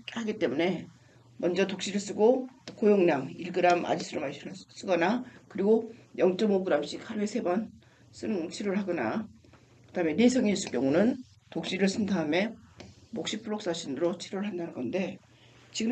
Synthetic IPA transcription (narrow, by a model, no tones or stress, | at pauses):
haɡit͈e̞mune̞ | mʌnd͡ʑʌtok̚ɕ͈iɾɯɭs͈ɯɡokojoŋɲaŋiɭɡɯɾama̰d͡ʑisʰɯɾomaɕ͈ʰis͈ɯɡʌnakɯɾiɡojʌŋt͡ɕ͈ʌmoɡɯɾamɕ͈iksʰaɾuesʰe̞bʌn | s͈ɯt͡ɕʰiɾoɭɦaɡʌna̰ | kɯdaɦɯme̞nesʰʌŋes͈uk͈jʌŋunɯn | tok̚ɕ͈iɾɯɭs͈ɯntʰaɯme̞mok̚ɕ͈ipʰuɭːok̚s͈aɕʰinɯɾot͡ɕʰiɾoɾɭɦandanɯnɡʌnde̞ | t͡ɕiɡɯ